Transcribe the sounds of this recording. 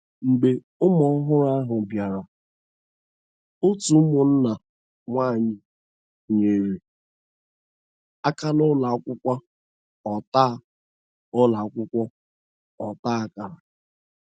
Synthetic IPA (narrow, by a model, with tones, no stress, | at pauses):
ŋ͡m̩˨ɡ͡be˨ | ʊ˦mɔ˨˦ɦʊ˦ɾa˦a˦ɦʊ˨bja˨ɾa˨ | o˦tu˨˦mʊ˨n̩˦na˨ | ŋʷaː˦˨ɲɪ˨ | ɲe˨ɾe˨ | a˦ka˦lʊ˦la˨ɔ˦kʷʊ˦kʷa˦ | ɔ˨taː˦˨ | ʊ˦la˨˦kʷʊ˦kʷɔ˦ | ɔ˨taː˦a˦ka˨ɾa˨